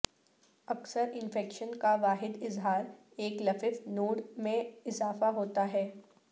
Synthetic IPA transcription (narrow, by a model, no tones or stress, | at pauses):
ɐksəɾɪ̃nfɛːkʃənkaʋaːɦɪd̪ɪzɦaːɾ | eːklɐfɪfnoːɽmẽɪzaːfaɦoːt̪aɦɛː